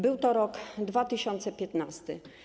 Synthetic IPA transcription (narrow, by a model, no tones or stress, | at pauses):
bɘwt̪ɔɾɔkd̪vat̪ɘɕɔnt̪sɛpʲjɛt̪nast̪ɘ